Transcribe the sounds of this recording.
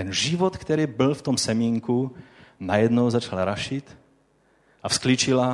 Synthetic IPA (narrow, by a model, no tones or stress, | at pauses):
ɛnʒivot̪kt̪ɛɾiːbɪlft̪omsɛmiŋkunajɛd̪nowzat͡ʃalɾaʃit̪ | ʔafsklit͡ʃila